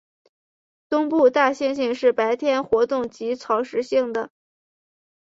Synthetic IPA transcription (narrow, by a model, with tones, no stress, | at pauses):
t̪ʊ˥ŋpu˥˧t̪a˥˧ɕjɛ˥˧nɕi˥˧ŋʂɻ̩˥˩pa˧˥ɪt̪ʰjɛ˥nxwɔ˧˥t̪ʊ˥˩ŋt͡ɕi˧˥t͡sʰɑ˧˥ʊʂɻ̩˧˥ɕi˥˩ŋd̪ə˩